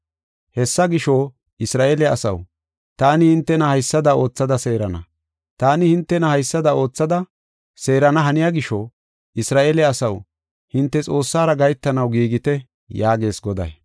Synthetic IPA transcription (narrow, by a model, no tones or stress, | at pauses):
hɛsːɐɡɪʃo | ɪsɾaːʔeːlɛɐsɐ̰w | t̪aːnɪhɪnt̪ːɛnɐhɐjsːɐd̪ɐo̞ːt͡sːɐd̪ɐse̞ːɾɐnɐ̰ | t̪aːnɪhɪnt̪ːɛnɐhɐjsːɐd̪ɐo̞ːt͡sːɐd̪ɐ | se̞ːɾɐnɐɦɐnɪjaːɡɪʃo | ɪsɾaːʔelɛɐsɐw | hɪnt̪ːɛt͡sʼo̞ːsːaːɾɐɡɐjt̪ːɐnɐwɡiːɡɪt̪ɛ | jaːɡe̞ːsɡɔd̪ɐ̰j